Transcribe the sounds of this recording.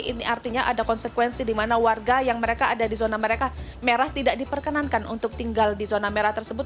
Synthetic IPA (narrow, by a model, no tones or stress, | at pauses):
iniʔart̪iɲaʔadakɔnsəkwɛnsidimanawarɡajaŋməɾekaːdadizonaməɾeka | meɾaht̪idaʔdipərkənankanṵnt̪ʊk̚t̪iŋɡaldizonameɾaht̪ərsəbʊt̪̚